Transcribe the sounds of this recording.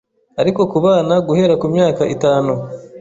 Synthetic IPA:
aɾiko̞kuβaːnaɡuhe̞ɾakumɲaːkaʔitaːnu

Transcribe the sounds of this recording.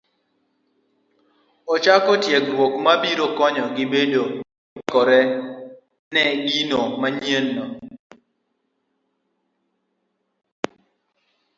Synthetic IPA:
ɔt͡ʃakɔtjekɾwokmabiɾokɔɲɔɡɪbedo | kɔɾɛ | nɛɡinomaɲenːɔ

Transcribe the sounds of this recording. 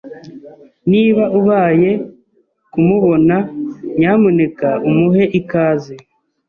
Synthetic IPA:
niːβaʔuβaːje̞ | kumuβo̞naɲamune̞kaumuɦe̞ʔikaːze

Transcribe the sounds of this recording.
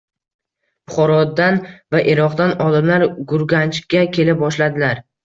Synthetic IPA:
pʊχɒɾɒd̪ːanvaʔeɾɒqd̪anɒlɪmlaɾɡʊɾɡʲant͡ʃkʲakʲʰe̞lɪp̚bɒʃlad̪ɪlaɾ

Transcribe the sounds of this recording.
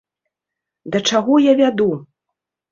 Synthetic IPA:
d̪ɐt͡ʂaɣɔjavʲad̪u

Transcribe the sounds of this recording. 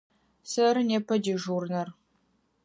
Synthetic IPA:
sɐɾɨneːpʰɐdiːʒuːrnɐr

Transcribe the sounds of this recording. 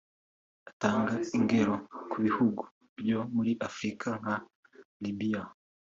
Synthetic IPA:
ataːŋɡaiŋɡe̞ɾo̞kʰuβihuɡu̥ | bjo̞muɾiʔafɾikʰaŋa | libia

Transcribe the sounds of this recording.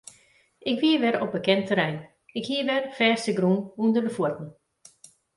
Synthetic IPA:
ɪkʋiəʋɛɾɔp̚bəkɛntəɾɛjn | ɪkhiəʋɛrfɛːstəɡrunundəbəfuətnə

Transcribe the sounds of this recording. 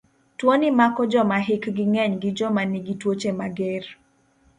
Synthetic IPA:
twonɪmakɔd͡ʒɔmaɦɪkɡɪŋɛɲɡɪd͡ʒɔmaniɡitwot͡ʃemaɡer

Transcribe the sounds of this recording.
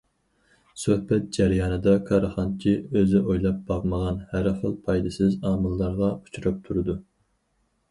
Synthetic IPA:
søhbɛt̪̚d͡ʒæɾijɑːnɨd̪ɑkʰɑɾɨχɑnt͡ʃʰiøzɪʔojlˠɑp̚bɑʁməʁɑnhæɾχəlˠpʰɑjd̪ɨsɪzɑːmɨlˠːɑɾʁɑu̥t͡ʃʰuɾɑp̚t̪ʰuɾɨd̪u

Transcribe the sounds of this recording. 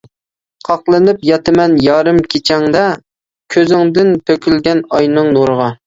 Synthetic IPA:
qʰɑqlˠɨnɪpjɑt̪ɪmɛnjɑːɾɨmkʲʰet͡ʃʰɛŋd̪ɛ | kʲʰøzɪŋd̪ɪnt̪ʰøkʲylɡʲɛnɑjnɨŋnoɾəʁɑ

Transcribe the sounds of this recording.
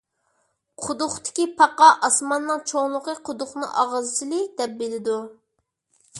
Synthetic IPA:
qʰʊd̪ʊχt̪ɪ̥kʲipʰɑqɑʔɑsmɑnːɨŋt͡ʃʰoŋlˠʊqəqʰʊd̪ʊχnɨ̰ʔɑʁəzɨt͡ʃ̪ʰɪlɪd̪ɛp̚belɪd̪u

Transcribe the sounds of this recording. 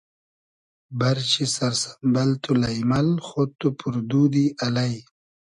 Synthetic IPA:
baɾt͡ɕisaɾsḁmbalt̪ulajmalxot̪upuɾd̪ud̪ialaj

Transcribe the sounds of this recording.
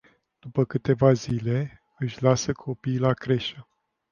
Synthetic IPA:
d̪̥upəkɨt̪e̞vazile̞ | ɨʃʲlasəkʰo̞pijlakɾe̞ʃə

